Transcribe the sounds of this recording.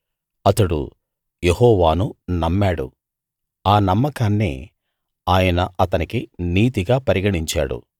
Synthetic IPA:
ɐt̪ɐɽṵ | jehɔːʋaːnunɐmːaːɽṵ | aːnɐmːɐkaːnːḭː | aːjɐnɐʔɐt̪ɐnikiniːt̪iɡaːpɐɾiɡɐɽiɲt͡ʃa̰ːɽṵ

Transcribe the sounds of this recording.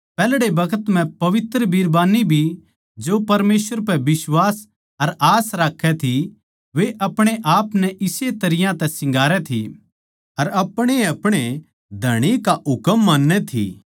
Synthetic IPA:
pɛːlɽebɐkʰət̪m̤ɛ̃pɐʋɪt̪ɾəbʱiːɾbaːnibʱi | d͡ʒopɐɾmeːsʋəɾpɛbɪswaːs | ɐɾaːsɾaːkʰːɛt̪ʰi | ʋeʔɐpɽ̃eʔaːpnɛʔɪset̪ɐɾɪjãt̪ɛsɪ̃ŋɡaːɾɛt̪ʰḭ | ɐɾɐpɽ̃eɐpɽ̃e | d̪ʱɐɽ̃ikaʔʊkəmːãːnːɛt̪ʰḭ

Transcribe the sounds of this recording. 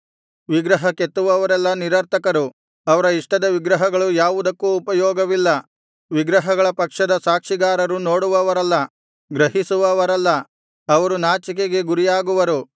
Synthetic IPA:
ʋiɡɾɐɦɐket̪ːuʋɐʋɐɾɛlːɐniɾɐɾt̪ʰɐkɐɾu | ɐʋɐɾɐiʂʈɐd̪ɐʋiɡɾɐɦɐɡɐɭujaːʋud̪ɐkːuːpɐjɔːɡɐʋilːɐ | ʋiɡɾɐɦɐɡɐɭɐpɐkʂɐd̪ɐsaːkʂiɡaːɾɐɾunoːɽuʋɐʋɐɾɐlːɐ | ɡɾɐɦisuʋɐʋɐɾɐlːɐː | ʋɐɾunaːt͡ʃik̬eɡe̞ɡuɾijaːɡuʋɐɾu

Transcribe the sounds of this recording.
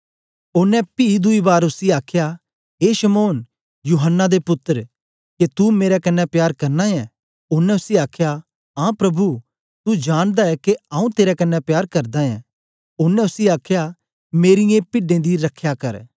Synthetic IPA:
ʊnːɛ̃piːd̪ʊibaːɾʊsiaːkʰja | ɦeːʃɐmoːn | juːɦənːad̪epʊt̪ːəɾ | ket̪umeːɾɛkɐnːɛpjaːɾkɐɾnaɛ̃ | ʊnːɛ̃ʊsiaːkʰja | ãːpɾɐbu | t̪ud͡ʒaːɽ̃d̪aɛkeãːũt̪eːɾɛkɐnːɛpjaːɾkɐɾd̪aɛ̰̃ | ʊnɛ̃ʊsiaːkʰja | meːɾɪjẽpɪɖẽd̪iɾɐkʰjakɐɾ

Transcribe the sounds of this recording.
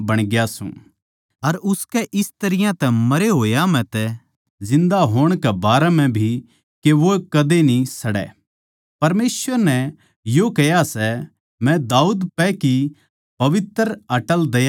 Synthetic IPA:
bɐɽ̃ɡjasṵ̃ː | ɐɾʊskɛʔɪst̪ɐɾɪjãt̪ɛmɐɾeɦoːjamɛ̃t̪ɛ | d͡ʒɪ̃nd̪aɦoːɽ̃kɛbaːɾɛmɛ̃bʱi | keʋokɐd̪enĩsɐɽɛ̰ː | pɐɾmeːsʋəɾnɛ̃ | joːkɛjasɛ | mɛ̃d̪aːuːd̪pɛki | pɐʋɪt̪ɾɐʈəld̪ɐj

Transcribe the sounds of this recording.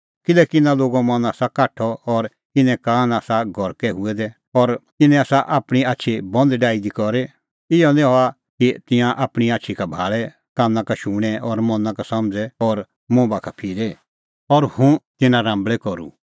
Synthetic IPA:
kɪlɛkɪnãloːɡamɐ̃naːsakaːʈʰːɔɔɾ | ɪnɛ̃kãːnaːsaɡʱɔɾkɛɦʊɛd̪ɛ | ɔɾt̪ɪnɛ̃aːsaʔaːpɽ̃iaːtːʃʰibɔ̃nd̪ɖaːid̪ikɔɾɛ | ɪjɔnĩɦɔa | kit̪ɪ̃jãʔaːpɽ̃iaːt͡ʃʰikabʱaːɭɛ | kãːnãkaʃuːɽ̃ɛʔɔɾmɔ̃nːãkasɐmd͡zɛɔɾ | mõːbakʰapʰiːɾɛ | ɔɾhũt̪ɪnãɾãːmbɭɛkɔɾṵ

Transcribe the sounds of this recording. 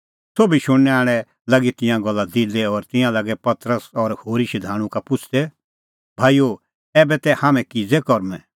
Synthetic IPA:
soːbiʃʊɽːɛaːɽ̃ɛ | lɐɡit̪ɪ̃jãɡɔlːad̪ɪlɛɔɾt̪ɪ̃jãlaɡɛpɐt̪ɾəsɔɾhoːɾiʃid̪ʱaːɽ̃ũkapʊt͡ʃʰd̪ɛ | bʱaːijo | ɛːbɛt̪ɛhãːmɛ̃kɪd͡zɛkɔɾmɛ̃

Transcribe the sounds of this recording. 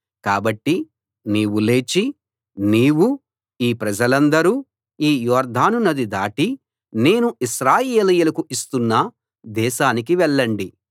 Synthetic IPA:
kaːbɐʈːi | niːwule̞ːt͡ʃi | niːwu | iːpɾɐd͡ʒɐlɐnd̪ɐɾuː | iːjɔːɾd̪ʱaːnunɐd̪id̪aːʈi | ne̞ːnuiʃɾaːjeːlɐjulɐkuist̪unːɐ | d̪ɛːʃaːnik̬iʋɛɭːɐɳɖi

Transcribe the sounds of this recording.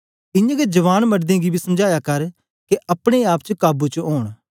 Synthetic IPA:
ɪjãɡed͡ʒɐʋaːnmɐɖd̪ẽɡibʱisɐmd͡ʒaːjakɐɾ | keʔɐpɽ̃eaːpt͡ʃəkaːbut͡ʃəoːɽ̃

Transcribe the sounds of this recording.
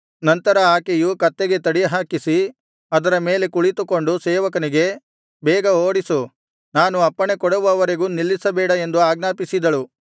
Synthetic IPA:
nɐnt̪ɐɾɐaːkejukɐt̪ːeɡe̞t̪ɐɽijɐɦaːkisi | ɐd̪ɐɾɐmeːle̞kuɭit̪uko̞ɳɖusɛːʋɐkɐniɡe̞ | bɛːɡɐoːɽisu | naːnuɐpːɐɳekɔɽɐʋuɐʋɐɾeɡuːnilːisɐbɛːɽɐe̞nd̪uaːɡ̚naːpisid̪ɐɭu

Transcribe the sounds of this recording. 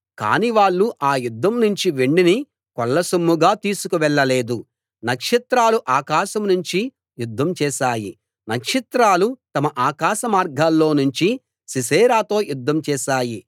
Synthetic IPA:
ka̰ːniʋaːɭːuʔaːjud̪ʱːɐmnuɲt͡ʃiʋeɳɖini | kɔɭːɐsɐmːuɡaːt̪iːsukuʋɛɭːɐle̞ːd̪u | nɐkʂit̪ɾaːluʔaːkaːʃɐmnuɲt͡ʃi | jud̪ʱːɐmt͡ʃɛːʃaːji | nɐkʂit̪ɾaːlut̪ɐmɐʔaːkaːʃɐmaːɾɡʱaːlːo̞ːnuɲt͡ʃi | sisɛːɾaːt̪o̞ːjud̪ʱːɐmt͡ʃɛːʃaːji

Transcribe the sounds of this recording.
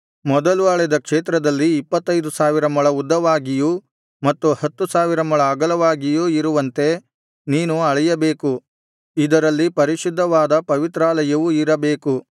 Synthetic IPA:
mɔd̪ɐluɐɭɛd̪ɐkʂeːt̪ɾɐd̪ɐlːiːpːɐt̪ːɐjd̪usaːʋiɾɐmɐɭɐud̪ːɐʋaːɡiju | mɐt̪ːuhɐt̪ːusaːʋiɾɐmɐɭɐːɡɐlɐʋaːɡijuiɾuʋɐnt̪e̞ | niːnuɐɭɛjɐbe̞ːku | id̪ɐɾɐlːipɐɾiʃid̪ʱːɐʋaːd̪ɐpɐʋit̪ɾaːlɐjɐʋuiɾɐbe̞ːku

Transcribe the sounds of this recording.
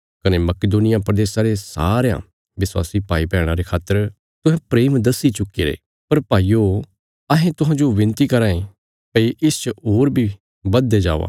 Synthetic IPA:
kɐnemɐkɪd̪oːnɪjapɾəd̪eːsãɾesa̰ːɾejã̰ | ʋɪswa̰ːsipaːipɛːɽ̃aɾekʰaːt̪ːəɾ | t̪ʊɦɛ̃pɾeːmd̪ɐsit͡ʃʊkeːɾḛː | pɐɾpaːijo | ɐɦẽt̪ʊɦãːd͡ʒoʋɪ̃nt̪ikɐɾãːẽ | pəiʔɪst͡ʃəɦoːɾbʱi | bɐd̪ːed͡ʒaːʋa̰ː

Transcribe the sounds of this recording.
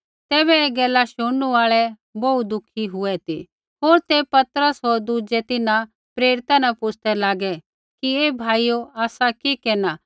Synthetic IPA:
t̪ɛːbɛeːɡɛːlaʃʊuaːɭɛ | boud̪ʊkʰiɦʊɛt̪ḭ | ɦoːɾt̪epɐt̪əɾəsɦoːɾd̪ud͡ʒɛt̪ɪnã | pɾeːɾɪt̪anapʊt͡ʃʰt̪ɛlaːɡɛ | kieːbʱaːijoaːsakikeːnaː

